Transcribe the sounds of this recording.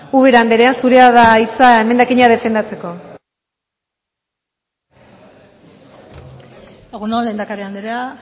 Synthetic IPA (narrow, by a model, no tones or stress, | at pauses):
uβeɾand̪eɾeansuɾeaðaːjt͡saeme̞nd̪akiɲað̞e̞fe̞nd̪at͡se̞ko̞ | eɣunolend̪akaɾiand̪eɾea